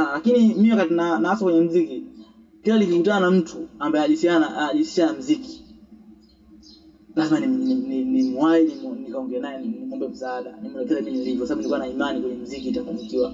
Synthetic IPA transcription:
alakinimiiwakat̬inanaasakwɛɲɛm̩ziki | kilalivikutananam̩tʰuambaɛaʄusianaaʄusi̥anam̩ziki̥ | lazmaninininimwainimnikaɔŋɡɛnajɛninimɔmbɛm̩saaɗanimwɛlɛkɛzɛmimiilivɔkwasaɓunilikuwanaimanikwɛɲɛm̩zikiːtakumikiwa

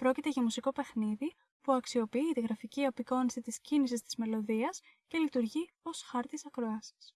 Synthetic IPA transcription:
pɾo̞cit̪e̞ʝɐmusiko̞pe̞xniði | puɐksio̞piit̪iɣɾɐficiɐpiko̞nisit̪iscinis̬ist̪i̥zme̞lo̞ðiɐs | ce̞lit̪uɾʝi | o̞sxɐɾt̪isɐkɾo̞ɐsi̥s

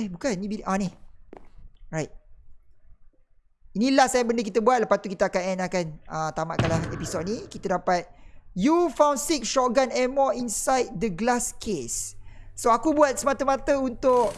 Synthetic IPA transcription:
ɛbukannibiʔani | ɹajt̪̚ | inilahsajabəndək̬it̪əbuat̪̚ləpast̪ukit̪əakanɛnakanət̪ama̰ʔkalaepisod̚nĩkit̪ədapat̪̚jufãw̃nsiksʃɔʔɡanɛmɔinsajt̪̚dəɡlaskʰesːoakubuat̪̚səmat̪əmat̪əunt̪ʊʔ

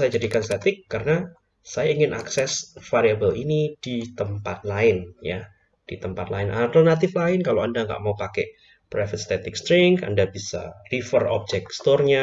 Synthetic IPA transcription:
sajad͡ʒadikanst̪ɛt̪ɪkːarəna | sajaiŋɪnʔaksɛsfaɾiabəlinid̥it̪əmpat̪̚laɪnja | d̥it̪əmpat̪laɪnʔa̰lt̪ərnat̪̬ɪflaɪnkaloandaŋɡa̰ʔmaupakɛ | pɾafət̪̚st̪ɛt̪ɪkst̪ɾɪŋka̰ndabisa̰rifərɔ̰b̚d͡ʒɛk̚st̪ɔrɲa

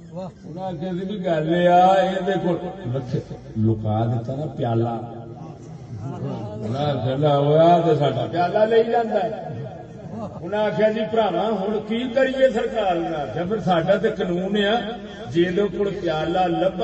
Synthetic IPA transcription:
ʊnãːkʰãːt̪ibiːɡəlːeaːeːd̪eːkoləkʰːe | lʊka̰ːd̪ɪt̪ːaːnaːpɪjaːlaː | nãːkəlaːoːaːt̪esaːɖãːpɪjaːlaːleiːd͡ʒãːnd̪aːɛ | ʊnãːkʰjãːd̪iːpɾaːʋãːɦʊɳkiːkəɾiːeːsəɾkaːlnaːld͡ʒãːpʰɪɾsaːɖãːt̪̬eːkənuːneãː | d͡ʒeːlõːkoɽpɪjaːlaːləb

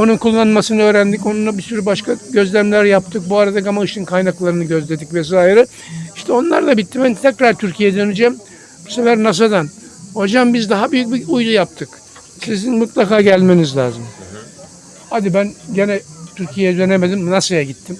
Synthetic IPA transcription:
o̞nunkulˠːanmasɯnɯø̞ːɾænd̪ico̞nunabisyɾybaʃkaɟø̞zlʲæmlʲæɾjap̚t̪ʰɯk̚buaɾad̪akamaɯʃɯnkʰajnaklˠaɾɯnɯɟø̞zlʲe̞d̪icvɛs̬aːiɾɛ | iʃt̪ʰɛo̞nlˠa̰ɾd̪abit̪ʰːibænt̪ʰɛcɾaɾt̪ʰyɾcʰijɛd̪ø̞nyd͡ʒæm | b̥u̥sefæɾnas̬ad̪an | hod͡ʒambizd̪aɦabyjyc̚biujlˠujap̚t̪ʰɯk | sizinmut̪lˠakaːɟælʲme̞nizlʲa̰ːzɯm | ad̪ibænɟenɛt̪ʰyɾcʰijeɛd̪ø̞ne̞med̪imnasɯjaɟit̪ʰːim

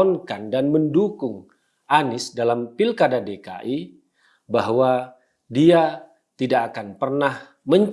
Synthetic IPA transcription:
ɔnkandanməndukʊŋ | ʔanɪsdalampilkadadeka̰ʔi | baɦwa | dia | t̪idakːkanpərnah | məɲ

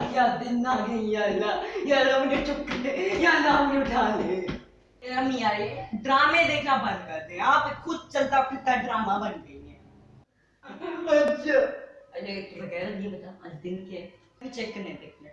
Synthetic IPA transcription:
jaːd̪ɪnːaːɡeijaːlaːjaːlaːmnet͡ʃʊkːnejaːnãːmnoʈʰaːle | əmĩaːeɖɾaːmẽːd̪eːkʰnabə̃nd̪kəɾd̪ẽaːpkʰʊd̪̚t͡ʃəlt̪aːkʰʊt̪aːɖɾaːmãbənɡəiːɛ | ɐtːt͡ʃʰaːleʋəɡɛːɾaebət̪aːɐd͡ʒd̪ɪnke | bit͡ʃekːnẽːd̪eːkʰneː

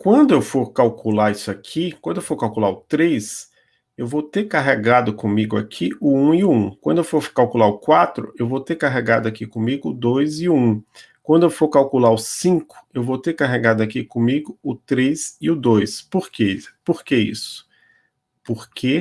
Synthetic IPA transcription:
kwɐ̃nd̪ʊewfoɾkawkʰulaɾisʊakʰikwɐ̃d̪ʊewfoɾkawkulaɾʊt̪ɾes | ewvowt̪eɾkaɦeɡad̪ʊkõmiɡʊa̰kʰiʊũɪũkwɐ̃nd̪ʊewfoɾkawkulaɾʊkwat̪ɾʊewvowt̪eɾkaɦeɡad̪ʊakikõmiɡʊd̪ojzɪũ | kwɐ̃nd̪ʊewfoɾkawkulaɾʊsĩkʊ̥ewvowt̪eɾkaɦeɡad̪ʊakikõmiɡʊʊt̪ɾesɪʊd̪ojspoɾkepoɾkeḭsʊ̥ | poɾkʰe

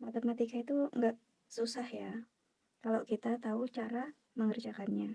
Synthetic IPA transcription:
mat̪amat̪ikait̪uŋɡaʔ | susahja | kalakit̪at̪aut͡ʃaɾa | məŋərd͡ʒakanɲa

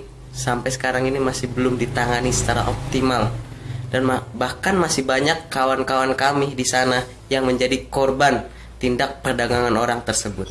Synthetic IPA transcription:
sampajsə̥kaɾaŋinimasɪhbəlʊmdit̪aŋanisə̥t͡ʃaɾa̰ʔɔp̚t̪imaldanmabahkanmasɪhbaɲakːawankawankamidisana | jaŋməɲd͡ʒadikɔrban | t̪indak̚pərdaɡaŋanoɾaŋt̪ərsəbʊt̪̚

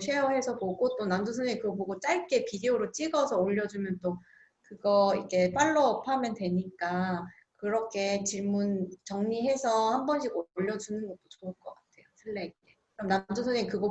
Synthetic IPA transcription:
ɕʰejʌɦe̞sʰʌpoɡot͈onamdosʰʌɲikɯɡʌpoɡot͡ɕ͈aɭk͈e̞pideoɾot͡ɕ͈iɡʌsʰʌoʎːʌd͡ʑumjʌnt͈o | kɯɡʌikʰe̞p͈aɭːʌːpʰamjʌndwe̞ɲik͈a | kɯɾʌkʰe̞t͡ɕiɭmunt͡ɕʌŋɲiɦe̞sʰʌhambʌnɕʰiɡoʎːʌd͡ʑunɯnɡʌt̚t͈ot͡ɕoɯɭk͈ʌk͈atʰe̞josʰɯɭːeik͈e | ɯɾʌmnamdosʰʌɲikɯɡʌ

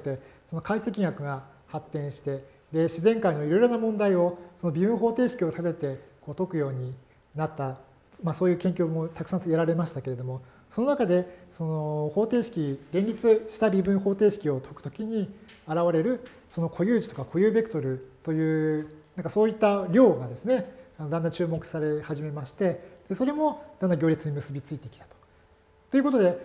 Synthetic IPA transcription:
t̪eso̞no̞kaisekʲĩŋɡakɯ̟ɡa | hat̪ːẽ̞ɰ̃ɕi̥t̪e̞ | d̪e̞ɕizẽ̞ŋkaino̞iɾo̞iɾo̞namõnd̪aio̞so̞nobʲibɯ̟̃ɰ̃ɦo̞ːt̪e̞ːɕi̥kʲio̞t̪at̪e̞t̪e̞ko̞ːt̪o̞kɯ̟jo̞ːɲ̟i | nat̪ːa | maso̞ːjɯ̟ːkẽ̞ŋkʲjoːmot̪akɯ̟̥sãsjaɾaɾe̞maɕi̥t̪ake̞ɾe̞d̪o̞mo̞ | so̞no̞nakad̪e̞so̞no̞ho̞ːt̪e̞ːɕi̥kʲiɾẽ̞nʲɾʲit͡sɨɕi̥t̪abʲibɯ̟̃ɰ̃ho̞ːt̪e̞ːɕi̥kʲio̞t̪ʰo̞kɯ̥t̪okʲiɲ̟iaɾaβaɾe̞ɾɯ̟ | so̞no̞kʰo̞jɯ̟ːd͡ʑi̥t̪o̞kakʰo̞jɯ̟ːbe̞kɯ̟t̪o̞ɾɯ̟t̪o̞jɯ̟ːnãŋkaso̞ːit̪ːaɾʲo̞ːɡad̪e̞sɨneanod̪ãnd̪ãt͡ɕɨːmo̞kɯ̟̥saɾe̞haʑime̞maɕi̥t̪e̞d̪̥e̞so̞ɾe̞mo̞d̪and̪aɡʲo̞ːɾʲit͡sɨɲ̟imɯ̟sɨbʲit͡sɨit̪e̞kʲi̥t̪ḁt̪o̥ | t̪o̞iɯ̟ko̞t̪od̪e̞

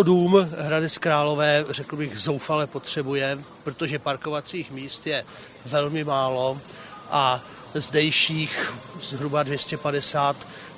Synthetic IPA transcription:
oduːmɦɾadɛskɾaːlo̞vɛːrɛkl̩bɪɣzo̞wfalɛpo̞t̪r̝̥ɛbujɛpɾot̪oʒɛpaɾkovat͡siːxmiːst̪jɛ | vɛlmɪmaːlo̞ | ʔa | zdɛjʃiːxzɦɾubadvjɛscɛpadɛsaːt̪

